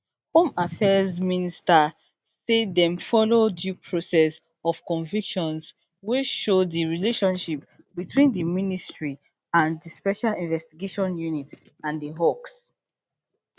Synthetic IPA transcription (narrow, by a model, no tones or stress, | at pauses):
hõmafɛzminista | sedɛ̃mfɔlodjupʰɹosɛs | ɔv̥kɔ̃ɱvikʃɔ̃ns | weʃoddiɹileʃɔ̃nʃip | bitʰwĩndəministɹi | ãndəspɛʃalĩnvɛstiɡeʃɔ̃njunit | ãndəɦɔks